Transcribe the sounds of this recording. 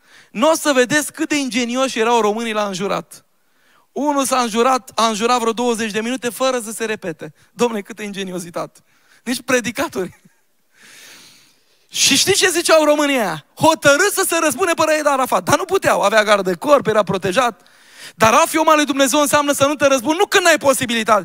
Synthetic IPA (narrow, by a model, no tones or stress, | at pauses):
nosəve̞d̪e̞skːɨt̪̚d̪e̞ind͡ʒe̞nioʃje̞ɾawɾo̞mɨnilaɨnʒuɾa̰t̪ | unulsaɨnʒuɾat̪aɨnʒuɾat̪vɾo̞d̪o̞wəze̞t͡ʃʲd̪e̞minut̪e̞fəɾəs̬əse̞ɾe̞pe̞t̪e̞ | d̪omnekɨt̪̚d̪eind͡ʒe̞nio̞sit̪at̪ʲ | nit͡ʃʲpɾe̞d̪ikat̪orʲ | ʃiʃt̪ist͡ʃe̞zit͡ʃawɾo̞mɨniajaho̞t̪əɾɨsəseɾəspunepəɾəjed̪aɾafat̪̚d̪anuput̪eawaveaɡaɾd̪ekorpjeɾapɾo̞t̪e̞ʒat̪̚ | d̪aɾafio̞malujd̪umne̞ze̞wɨnseamnəsənut̪eɾəs̬punnukɨnajpo̞sibilit̪at̪